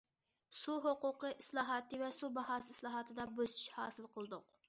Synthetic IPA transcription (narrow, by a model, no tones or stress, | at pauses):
suɦoqʊqəʔislˠɑːɦɑːt̪ʰɨvɛsubɑɦɑːsɨislˠɑːɦɑt̪ʰɨd̪ɑbøzy̥ʃhɑːsɨlˠqəlˠɨd̪ʊq̚